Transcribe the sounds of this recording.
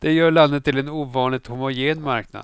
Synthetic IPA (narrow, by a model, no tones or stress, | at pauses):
d̪̥ɛjœːɭanːət̪ʰːɪlɛnuːvɑːnlɪɡhʊmʊɡeːnmaɾkna̰d̪